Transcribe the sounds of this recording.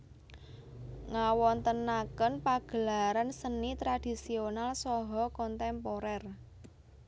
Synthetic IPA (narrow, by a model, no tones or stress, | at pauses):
ŋawɔnt̪ənakənpaɡ̥ə̤laɾansənit̪ɾad̥i̤sionalsɔɦɔkɔnt̪ɛmpoɾɛr